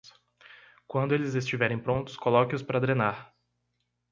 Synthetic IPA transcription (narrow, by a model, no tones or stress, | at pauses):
kwɐ̃nd̪ʊelɪzes̬t͡ʃivɛɾẽj̃pɾõnt̪ʊ̥skolɔkɪʊspaɾɐd̪ɾẽnaɾ